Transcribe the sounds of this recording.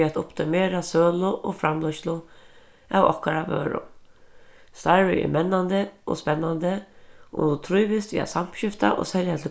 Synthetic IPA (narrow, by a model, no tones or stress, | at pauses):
at̪ʊpt̪ʰɪmeːɾasøːlʊʔoːfɾamlɔʃt̪lʊ | awɔ̰hkaɾavø̰ːɾʊ̰ | st̪aɾɪɪ̰mɛnːand̪əo̰spɛnːand̪əʊ̰d̪ʊt̪ʰɾujʋɪst̪ʋḭːa̰t̪sam̥pɕɪft̪a̰ʔo̰ːsɛljat̪ʰɪl